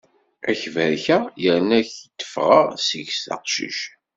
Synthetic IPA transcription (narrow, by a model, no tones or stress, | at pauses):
æ̰çvæɾçæjəɾnæçt̪ːə̥fʁɑ̰ʁsəʝsθɑ̰qʃḭʃ